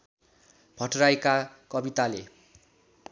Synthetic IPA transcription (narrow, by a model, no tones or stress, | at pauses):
bʱʌʈrajkakʌbit̪ale